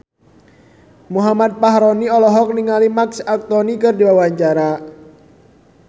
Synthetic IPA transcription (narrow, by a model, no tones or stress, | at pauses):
muɦamat̪̚paɦɾɔniɔlɔɦɔk̚niŋalimaksak̚t̪ɔnikɨrdiwawaɲt͡ʃaɾa